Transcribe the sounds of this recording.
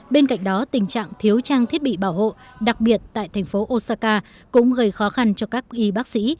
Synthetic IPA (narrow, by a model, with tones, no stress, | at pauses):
ɓe˧nka̰˧˨jŋ̟ɗɔ˨˦t̪ï˨˩ŋ̟t͡ɕa̰ː˧˨ŋt̪ʰi˨˦əwt͡ɕaː˧ŋt̪ʰi˦˥ət̚ɓḭ˧˨ɓaː˧˩wɦo̰˧˨ɗa˨˩k̚ɓi˨˩ət̚t̪a̰ː˧˨jt̪ʰɛ˨˩jŋ̟fo˨˦ʔo˧saː˧kaː˧ | kʊ̰˧˥ŋ͡mɣə˧˩jxɔ˨˦xa˧nt͡ɕɔ˧kaː˦˥k̚ʔi˨˧˦ɓaː˦˥k̚sḭ˧˥